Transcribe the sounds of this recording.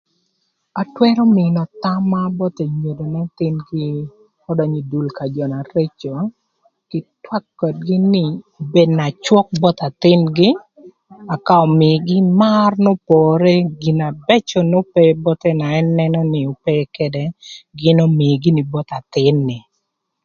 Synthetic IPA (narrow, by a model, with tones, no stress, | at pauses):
a˨twɛ˦ɾɔ˦mɪ˨nɔ˨t̪a˦mːa˦bɔ˦t̪e˨ɲo˨do˨na˦t̪ɪ˦nɡɪ˦ | ɔ˦dɔ˨ɲi˨du˨lka˨d͡ʒɔ˨na˨ɾe˦t͡ʃo˨ | kɪ˨twa˦kːɔ˨t̚ɡɪ˦nɪ˨ | be˦dna˨t͡ʃwɔ˦k̚bɔ˦t̪a˨t̪ɪ˦nɡɪ˦ | a˨ka˦ɔ˨mɪ˨ɡɪ˦ma˦rnɔ˦pɔ˨ɾe˦ɡi˨na˨bɛ˦t͡ʃɔ˨nɔ˦pɛ˦bɔ˦t̪ɛ˦na˨ɛ˦nɛ˦nɔ˦nɪ˨ɔ˨pɛ˦kɛ˦dɛ˨ɡɪ˦nɔ˦mɪ˨ɡi˦nɪ˨bɔ˦t̪a˨t̪ɪ˦nːɪ˨